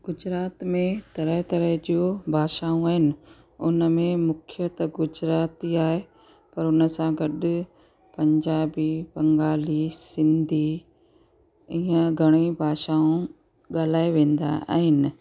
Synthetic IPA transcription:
ɡ̥ʊd͡ʑɾaːt̪mẽt̪ɐɾəɦt̪ɐɾəɦd͡ʑobʱaːʃaːũaːɦɪnɪ̆ | ʊnəmẽmʊkʰɪjət̪ɡʊd͡ʑɾaːt̪iaːɦe | pɐɾʊnə̆sãɡɐɗʊ | pɐ̃ɲd͡ʑaːbibɐ̃ŋɡaːlisɪ̃nd̪ʱi | ɪːə̃ɡʱɐɽ̃ibʱaːʃaːũ | ɠaːl̤aːeʋẽːn̆d̪a̰a̰ːɦɪnɪ̆

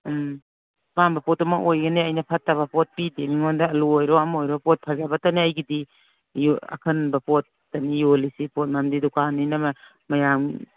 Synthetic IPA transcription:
pambɐpɔtːɔmɐkojɡɐneɐjnɐpʰatːaβɐpʰɔt̚pidemiŋɔndɐːluojɾɔamojɾɔpɔt̚pʰazabataniajɡidi | jɐ̰kʰɐnbɐpot̚ːanijolisipʰɔt̚mamdidukʰanːinɐmɐ | mɐjaŋ

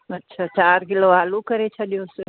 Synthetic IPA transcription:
ɐtːʃʰaːt͡ʃaːɾkɪloaːlukɐɾet͡ʃʰɐɗijosɪ

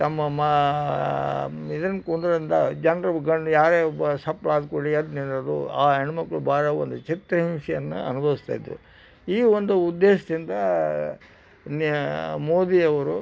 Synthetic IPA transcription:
t̪ɐmːɐmɐ | id̪ɐnːɐkoɳɖuɾind̪ɐd͡ʒɐnɾɐɡɐɳɖjaːɾeːɔbsɐpːɭaːd̪koɭiɐd̪ninɐd̪ṵaːɦeɳumɐkːɐɭubaːɾɐond̪ut͡ʃit̪ɾɐɦimʂɛjɐnːṵɐnubʱɐʋist̪a̰jd̪ɾṵ | iːʋond̪uud̪ːeːʂɐd̪ind̪ɐ | nmoːd̪ijɐʋɐɾu

